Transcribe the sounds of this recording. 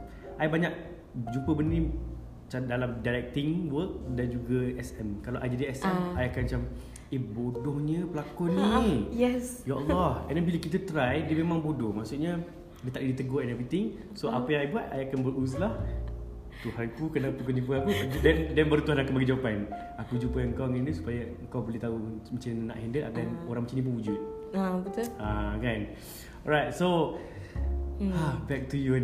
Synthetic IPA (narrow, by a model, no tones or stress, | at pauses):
ʔajbaɲaʔ̚ | d͡ʒumpəbənnĩ | t͡ʃadalamdalɛk̚t̪iŋwək̚dand͡ʒuɡaɛsɛmkalawʔajd͡ʒadiɛsɛmajakant͡ʃam | ebodɔhɲəpəlakʊnijɛsjaʔɔlːɔhɛndɛnbiləkit̪̬ət̪ɾajdiəmẽmãŋbodɔhmaʔsuʔɲa | dət̪aʔidit̪əɡɔɛnɛvɾit̪ɪŋ | soʔapəjaŋajbuat̪ajakanbəɾuslah | t̪uɦanpukənaʔpukɔnip̬əakudɛndɛnbəɾut̪uɦanakanbaɡid͡ʒawapan | akud͡ʒupəəŋkawŋandusu̥pajaəŋkawbəliht̪aumat͡ʃanːa̰ʔhɛndəlʔa̰kanoɾãŋmət͡ʃinĩp̬uŋud͡ʒut̪̚abət̪ʊakan | ɔɾajt̚so | abɛk̚tujuɛn